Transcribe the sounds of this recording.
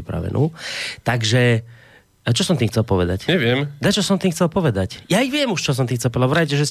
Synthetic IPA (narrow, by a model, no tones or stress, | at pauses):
ipɾa̰ʋɛ̰nʔṵːt̪aɡʒɛ | t͡ʃɔsɔmt̪iːmxt͡sɛlpɔʋɛd̪acɲɛʋɪɛmd̪at͡ʃɔsɔmt̪iːmxt͡sɛlpɔʋɛd̪acjaiʋɪɛmuʃt͡ʃɔs̬ɔmt̪iːmxtt͡sɛlˠpɔʋd̪avʋɾacɛʒɛs